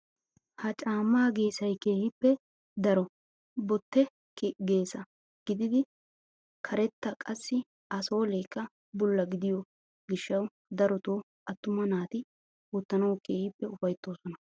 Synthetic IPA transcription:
hɐt͡ʃʼaːmːaːɡeːsɐjke̞ːhɪpːɛ | d̪ɐɾɔ | bɔt̪ːɛ | ɡe̞ːsɐ | ɡ̥ɪd̪ɪd̪ɪ | kʰɐɾɛt̪ːɐkʼɐsːɪ | ɐso̞ːleːkːɐ | bʊlːɐɡɪd̪ɪjɔ | ɡɪʃːɐw | d̪ɐɾɔt̪oː | ʔɐt̪ːʊmɐnaːt̪ɪ | wɔt̪ːɐnɐwke̞ːhɪpːɛʊfɐjt̪ːo̞ːsɔnɐ

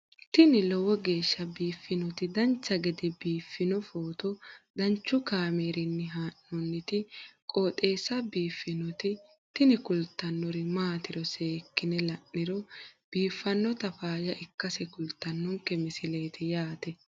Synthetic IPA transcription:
t̪ɪnɪlɔwɔɡe̞ːʃːɐbiːfːɪnɔt̪ɪd̪ɐnt͡ʃːɐɡɛd̪ɛbiːfːɪnɔfoːt̪ɔd̪ɐnt͡ʃːʊkaːmeːɾɪnːɪɦaːnːɔnːɪt̪ɪkʼoːt̪ʼe̞ːsːɐbiːfːɪnɔt̪ɪ | t̪ɪnɪkʊlt̪ːɐnːɔɾɪmaːt̪ɪɾɔseːkːɪnɛlɐʔːɪɾɔb̥iːfːɐnːɔt̪ɐfaːjɐʔɪkːɐsɛkʊlt̪ːɐnːʊŋkːɛmɪsɪle̞ːt̪ʰɪjaːt̪ɛ

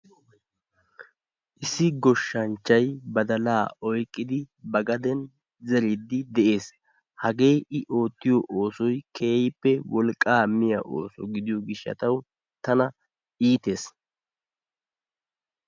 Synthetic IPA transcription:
ʔɪsːɪɡɔʃːɐnt͡ʃːɐjbɐd̪ɐlaːɔjkʼːɪd̪ɪbɐɡɐd̪ɛn | zɛɾɪd̪ɪd̪ɛʔe̞ːs | hɐɡe̞ːʔɪʔo̞ːt̪ːɪjɔʔoːsɔjkʰeːjɪpːɛwɔlkʼːaːmɪjɐ̰ʔo̰ːsɔ̰ɡɪd̪ɪjɔɡɪʃːɐ̰t̪ɐw | t̪ɐnɐ | iːt̪e̞ːs

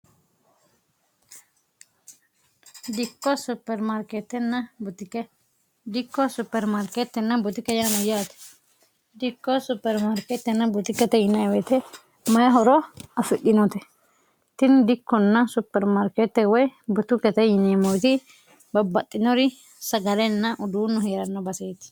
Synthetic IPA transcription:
d̪ɪkːɔsʊpːɛɾmaɾket̪ːɛnːɐbʊt̪ɪkɛ | d̪ɪkːɔsʊpːɛɾmaɾket̪ːɛnːɐbʊt̪ɪkɛjanɔjaːt̪ɛ̥ | d̪ɪkːɔsʊpːɛɾmaɾket̪ːɛnːɐbʊt̪ɪkɛt̪ɛjɪnɐwɛt̪ɛ | mɐjɐɦɔɾɔɐfɪɗɪnɔt̪ɛ | t̪ɪnd̪ɪkːɔnːɐsʊpːɛɾmɐɾkɛt̪ːɛwɔjbʊt̪ʊkɛt̪ɛjɪnemɔjt̪ɪ | bɐbːɐt̪ʼːɪnɔɾɪ | sɐɡɐlɛnːɐʔʊd̪uːnːʊɦeːɾɐnːɐbɐseːt̪ɪ̥

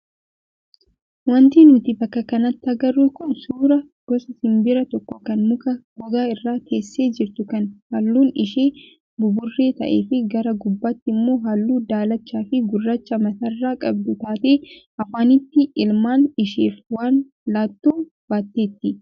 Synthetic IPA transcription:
wɐnt̪iːnʊt̪ɪbɐkːɐkɐnɐt̪ːɐɡɐrːukʊnsuːɾɐ | ɡ̥ɔsɐsɪmbɪɾɐt̪ɔkːɔkɐnmʊkɐɡʊɡ̪aːɪrːaːkʰe̞ːsːe̞ːd͡ʒɪɾt̪ʊkɐnhɐlːuːnɪʃe̞ː | bʊbʊrːe̞ːt̪ɐ̰ʔe̞̰ːfɪɡɐɾɐɡʊbːɐt̪ːɪɪmːo̞ːɦɐlːuːd̪aːlɐt͡ʃːaːfɪɡʊrːɐt͡ʃːɐmɐt̪ɐrːaːkʼɐb̚d̪ʊt̪aːt̪e̞ː | ɐfaːnɪt̪ːɪɪlmaːnɪʃeːfwaːn | laːt̪ːuː | baːt̪ːe̞ːt̪ːɪ

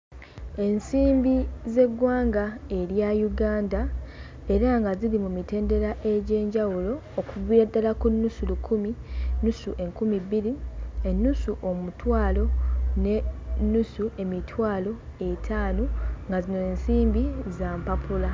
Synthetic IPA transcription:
e̞nsiːmbize̞ɡwaːŋɡae̞ɾjajuɡaːnda | e̞ɾaŋɡazilimumite̞ːnde̞ɾaʔe̞ɟe̞ːɲɟawulo̞ːkuβiadalakunːusulukʰuminusuʔe̞ŋkumibiɾienːusuʔo̞mutwaːlo̞ne̞nːusue̞mitʰwaːlo̞e̞tʰaːnoŋɡazino̞ensiːmbizaːmpapʰula

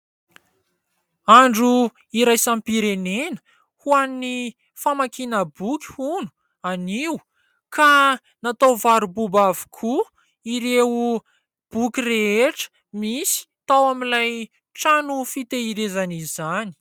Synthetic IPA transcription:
aɳɖ͡ʐu | iɾajsampiɾenenə̥ | huani | famakinəbukʲi̥hunu̥ | aniw | ka | nat̪awvaɾububavu̥kʰu | iɾeu | b̥ukʲireeʈ͡ʂə̥ | misi̥t̪awamilaj | ʈ͡ʂanufit̪eiɾezanizani̥

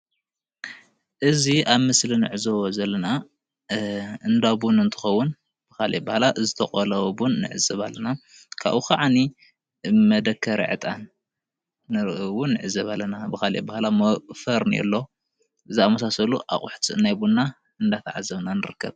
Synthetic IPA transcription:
ʔɨziaβmɨslinɨ̰ʕɨzowozɐlːɐna | ɨnd̪abunɨnt̪ʰɨ̥xɐwːʊn | b̥ɨkalʔebahlaʔɨzɨt̪ʰɐχʼolɐwbunːɨ̰ʕɨ̰zɐβa̰lːɐna | kʰa̰βukaʕani | mɐd̪ɐkʰːɐɾḭʕɨ̰t̪ʼanː | ɨɾʔwunːɨʕɨzɐβalːɐnabɨxalebahlamɐfɐɾnijɛ̰lːo̞ | ʔɨziamɐsasɐluʔa̰χʼʊ̰ħt̪ʰiɨnːajbunːa | ɨnd̪at̪ʰaʕazɐβnanɨɾɨkʰːɐβ

